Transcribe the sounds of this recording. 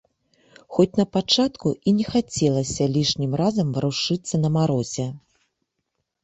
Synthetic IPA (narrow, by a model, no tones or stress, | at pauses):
xɔt͡sʲnɐpat͡ʂat̪kuʔinʲɛxat͡sʲɛlˠɐsʲɐlʲiʂnʲimrazɐmvɨɾuʂɨt̪sːɐnɐmaɾɔzʲɛ